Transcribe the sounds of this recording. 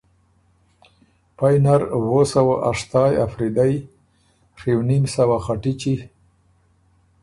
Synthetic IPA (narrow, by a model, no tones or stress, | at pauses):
pajnaɾwosawaʔaʂt̪ɑja̰fɾid̪aj | xiwnimsawaxaʈit͡ʃi